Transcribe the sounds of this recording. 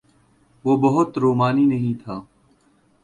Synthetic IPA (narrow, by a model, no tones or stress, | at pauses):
ʋoːbəɦʊt̪ɾoːmaːniːnəɦĩːt̪ʰaː